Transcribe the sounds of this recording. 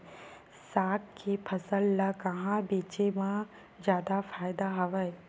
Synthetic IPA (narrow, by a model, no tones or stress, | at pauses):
saːkkepʰɐsəlːakɐɦãbeːt͡ʃemã | d͡ʒjaːd̪afʰaːjd̪aɦɐʋəj